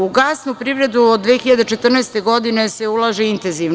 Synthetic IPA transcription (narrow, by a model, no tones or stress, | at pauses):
uɡasnupɾiːʋɾe̞d̪uod̪d̪ʋexiʎad̪et͡ʃet̪r̩nɛːst̪eɡod̪ine̞seulˠaʒeint̪enziʋn